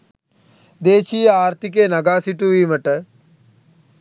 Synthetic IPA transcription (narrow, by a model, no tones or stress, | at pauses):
d̪eːt͡ʃiːaːɾt̪ikeːnɐɡaːsiʈuʋiːməʈə